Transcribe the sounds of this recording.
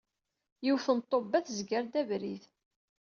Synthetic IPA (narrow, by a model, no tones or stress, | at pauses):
jiwθənt̪ˤːobːæθzɡəɾd̪ævɾiθ